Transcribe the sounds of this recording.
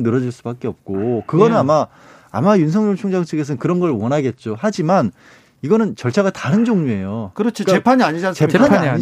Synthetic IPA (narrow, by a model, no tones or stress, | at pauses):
nɯɾʌd͡ʑiɭs͈ubak͈eʌp̚k͈okɯɡʌnɯnama | a̰majunsʰʌŋɲont͡ɕʰuŋd͡ʑaŋt͡ɕʰɯɡe̞s̬ʰʌnkɯɾʌnɡʌɭwʌnɦaɡe̞t̚t͡ɕ͈ohad͡ʑiman | iɡʌnɯnt͡ɕʌɭt͡ɕʰaɡataɾɯnd͡ʑoŋɲue̞jokɯɾʌt͡ɕʰokaepʰaɲiaɲid͡ʑanst͡ɕe̞pʰaɲiai